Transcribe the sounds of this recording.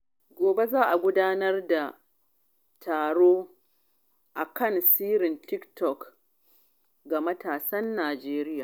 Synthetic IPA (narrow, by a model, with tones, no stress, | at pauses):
ɡʷoː˨be˦zaː˦ʔa˨ɡʷʊ˦daː˦nɐ˦rda˨ | tʰaː˨ɽoː˦ | ʔa˨kɐ˦˨nsiː˦ɾɪ˨ntɪ˦ktɔ˨k | ɡa˨mɐ˦taː˨sɐ˦nːaː˨d͡ʒeː˦ɾɪ˦jaː˨